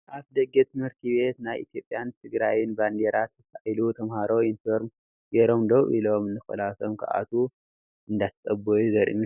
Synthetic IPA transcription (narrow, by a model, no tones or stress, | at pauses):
ʔaβd̪ɐɡet̪ʰɨmhɨɾt̪ʰibe̞t̪najʔḭt̪ʰjo̞pʼjant̪ʰɨɡɾajɪnband̪eɾat̪zɨt̪ʰːaajlut̪ʰɐmhaɾo̞infoɾm | jeɾomd̪owḭlo̞mɨnːɨxɐ̰lasomkʰɐ̰ʔa̰t̪ʰu | ʔɨnd̪at̪sʼɐbojuzɐɾʔḭmu